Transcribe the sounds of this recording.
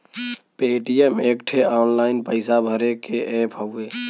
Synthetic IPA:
peːʈijemeːkʈʰeɔːnlaːɪnpəɪsabʱəɾekeʔepʰəeː

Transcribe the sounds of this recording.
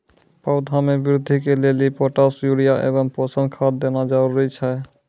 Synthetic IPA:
pawd̪ʱamebiɾud̪ʱikelelipɔʈasjuɽijaʔḛβɔŋpɔsənkʰad̪ːenad͡ʒaɾuɾit͡ʃʰɛ

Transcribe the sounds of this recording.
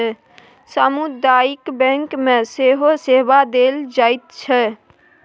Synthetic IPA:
ɛ | samud̪aːikbɛ̃ŋkmẽseːɦoseːbad̪eːld͡ʒaːɪt̪̚t͡ʃʰɛ

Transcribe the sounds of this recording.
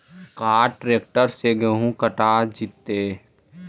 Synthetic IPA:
kaːʈɾeːk̚ʈəɾseɡəɦũkəʈaːd͡ʒɪt̪ːeː

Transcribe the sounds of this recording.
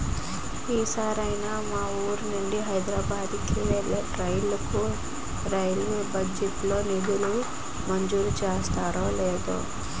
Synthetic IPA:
iːsaːɾɐjnamaːuːɾunuɳɖiɦɐjd̪ɾaːbaːd̪ki | ɾɐjlɐku | ɾɐjlbɐd͡ʒeʈlo̞ːnid̪ulu | mɐɲd͡ʒuːlut͡ʃeːst̪aːɾoːleːd̪ṵ

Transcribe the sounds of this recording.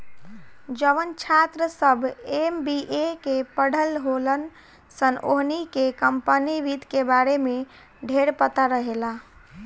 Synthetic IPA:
d͡ʒəʋənt͡ʃʰat̪ɾəsəbʱembiʔekepəɽʱəlɦolən | sənoɦnikekəmpəniʋit̪kebaɾeme | ɖʱeɾpət̪aɾəɦela

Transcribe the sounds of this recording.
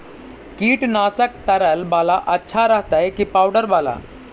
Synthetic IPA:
kiːʈnasək̚t̪əɾəlbalaʔətːɕʰaɾaɦt̪ajkiːpawɖəɾbala̰

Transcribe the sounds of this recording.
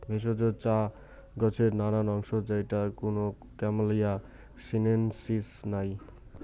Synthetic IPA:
bʱes̬od͡zot͡sa | ɡʌt͡sʰeɾnananɔŋsod͡zʌjʈakuno | kamalija | sinensisnaj

